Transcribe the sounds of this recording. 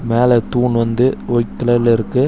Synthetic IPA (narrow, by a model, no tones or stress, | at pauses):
meːlɛt̪uːɳʋɐnd̪ɯɔɪkːɪlɐlɪɾɯkːɯ